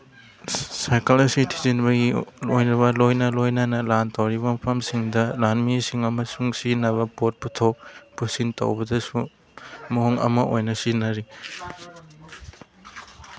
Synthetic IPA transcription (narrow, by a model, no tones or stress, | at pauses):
sajkɐlɐsitʰizinbɐɡilojnɐβɐlojnɐlojnɐnɐlantɐwɾiβɐmɐpʰɐmsiŋdɐlanmisiŋɐmɐsuŋsinɐβɐpot̚putʰowpusinto̰wbɐdɐsu | mɐɦoŋɐ̰mɐojnɐsinɐɾi